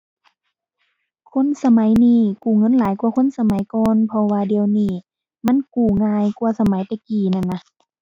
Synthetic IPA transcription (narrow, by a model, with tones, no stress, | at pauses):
kʰo˧˥˨nsa˧ma˨˦jniː˧˩˨kuː˨˩ŋɤ˧˥˨nlaː˨˦jkwkʰo˧˥˨nsa˧ma˨˦jkɔː˧˦npʰɔ˧waː˧di˧əwniː˧˩ | ma˧˥˨nkuː˨˩ŋaː˧jkwsa˧ma˨˦jt̪ɛ˧˩kiː˨˩na˧˨nːa˧